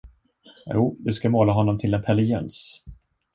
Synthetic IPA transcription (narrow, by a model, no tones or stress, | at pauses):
juːd̪ɵskamoːlaɦɔnːɔmt̪ʰɪlɛnpʰɛlɪjɛns